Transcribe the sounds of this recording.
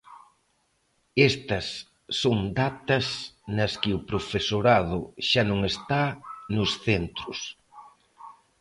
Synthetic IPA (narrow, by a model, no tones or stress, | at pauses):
est̪ɐsː | oŋd̪at̪ɐsnɐskɪʊpɾofesoɾað̞ʊʃanõŋest̪anʊsθent̪ɾʊs